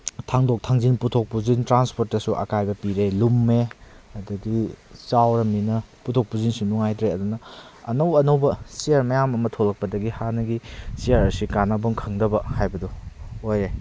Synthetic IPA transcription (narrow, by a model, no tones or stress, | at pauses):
tʰaŋdok̚tʰaŋzinputʰok̚puzintɾanspʰoɾt̚ːɐsuʔɐ̰kajbɐpiɾelumːeɐduɡit͡ʃawɾɐminɐputʰok̚puzinsunuŋajdɾeɐdunɐːnɐwɐnowbɐsiaɾmɐjamɐmɐtʰolɐk̚pɐdɐɡihanɐɡisiaɾɐsikanɐboŋkʰɐŋdɐbɐhajbɐduoje